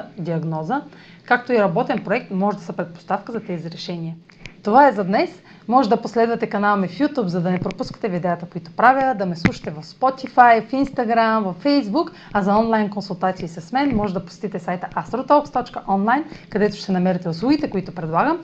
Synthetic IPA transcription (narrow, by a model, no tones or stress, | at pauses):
d̪iɐɡnɔzə | kak̚t̪oiɾɐbɔt̪ɛnpɾoɛk̚t̪mɔʒɛd̪ɐsɐpɾɛt̪̚po̥st̪afkəzɐt̪ɛziɾɛʃɛniə | t̪ovaɛzɐd̪nɛs | mɔʒɛd̪ɐposlɛd̪vɐt̪ɛkɐnalˠmɛfjut̪upzɐd̪ɐnɛpɾopuskə̥t̪ɛvid̪ɛət̪əkoit̪o̥pɾavʲəd̪ɐmɛslˠuʃɐ̥t̪ɛvɐfspɔt̪ifajfinst̪ɐɡɾamvɐfːɛjzbuk | ɐzɐɔnlˠajnkonsulˠt̪at̪siːsɐsmɛnmɔʒɛd̪ɐpo̥sɛ̥t̪it̪ɛsajt̪əʔast̪ɾot̪ɔpst̪ɔt͡ʃkəʔɔnlˠajnkɐd̪ɛt̪ʊ̥ʃɛt̪ɛnɐmɛɾɐt̪ɛʊslˠuɡ̟it̪ɛkoit̪ʊpɾɛd̪lˠaɡəm